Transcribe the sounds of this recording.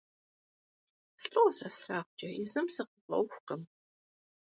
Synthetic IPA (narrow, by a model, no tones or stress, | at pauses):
sɬʼowsɐsɬaːχʷʊd͡ʒʼɐɪzɨmsɨqəɐ̰wxʷqəm